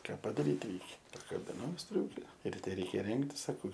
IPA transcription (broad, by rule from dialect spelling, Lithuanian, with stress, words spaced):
ˈkɑː pɐdɐˈrʲiːt ˈrʲɛɪkʲɛ pɐkɐbʲɪˈnɐʊ ˈsʲtʲrʲuːkʲɛ rʲɪˈtʲɛ ˈrʲɛɪkʲɛ ˈrʲɛŋktʲɪs sɐˈkɐʊ